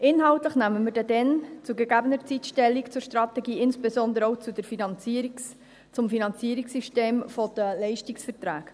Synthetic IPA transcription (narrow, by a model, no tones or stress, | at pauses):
ʔɪnɦɑʊtləχnæməmədɛdɛnt͡suɡeɡæbənəɾt͡sitʃtɛlːikt͡sʊɾʃtɾɑtɛɡiːɪnsb̥ezɔnd̪əɾɔʊt͡sud̥əfiɑni | t͡sʊmfinɑnt͡siəɾiksyʃteːmfɔd̥̪əlɛɪʃtiksfəɾtɾæːk